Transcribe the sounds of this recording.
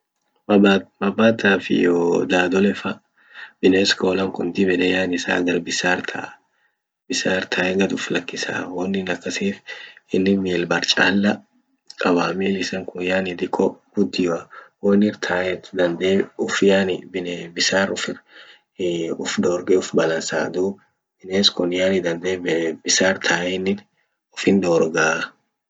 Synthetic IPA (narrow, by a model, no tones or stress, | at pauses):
bɐbːaːt̪aːfɪ̰joːd̪aːd̪ɔlɛfɐ | bɪnɛskoːlɐŋkʊnd̪ibɛd̪ɛjaːnɪsa̰ːɡɐɾbɪsaːɾt̪ʰɐʔ | bɪsaːɾt̪ʰaːɛɡɐt̪ʊflɐkːɪsa̰ːwɔnːɪnɐkʼːɐseːfɪnːɪmeːlbɐɾt͡ʃʼaːlːɐ | kʼɐwaːmiːlɪsɐŋkʊjaːnɪd̪ɪkʼːɔɡ̥ʊd̪ːɪjwawɔnːɪɾt̪ʰaːjɛt̪d̪ɐnd̪eːʊfɪjaːnɪbɪnebɪsaːɾʊfɪɾ | ʊfd̪oːɾɡeːʊfbɐlɐnsa̰ːd̪uː | b̥ɪneːskʊnjaːnɪd̪ɐnd̪eːbɪsaːɾt̪ʰaːjɛnːɪn | ʊfɪnd̪oːɾɡaː